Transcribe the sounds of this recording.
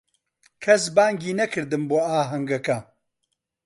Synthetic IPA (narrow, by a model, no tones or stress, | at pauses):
kʰɐs̬baːŋɡiːnɐkʰɨɾd̪ɨmboːaːɦɐŋɡɐkɐ